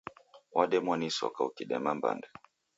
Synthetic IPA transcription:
waɗɛmwanisɔ̰kaukiɗɛmamba̰nda

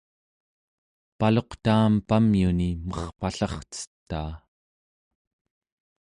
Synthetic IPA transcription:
palo̞qt̪aːmpamjunimʌχpaɬɑχt͡sə̥t̪ːa̰ː

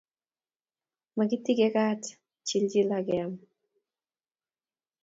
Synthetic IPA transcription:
makitiɡɛkat | t͡ʃild͡ʒilaɡɛam

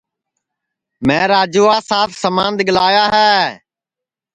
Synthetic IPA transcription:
mɛ̃ːɾaːd͡ʒuːaːsaːt̪ʰsəmãːnd̪ɠəlaːjaːɦɛː

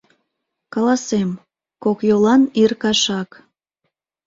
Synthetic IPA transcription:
kɑlɑsem | kokjolɑnirkɑʃɑk

